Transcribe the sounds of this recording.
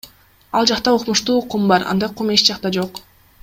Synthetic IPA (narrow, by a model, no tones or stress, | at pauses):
ɑlˠd͡ʒɑqt̪ɑoqmuʃt̪uːqumbɑɾɑ̰nd̪ɑqʰumet͡ʃd͡ʒɑqt̪ɑd͡ʒo̞q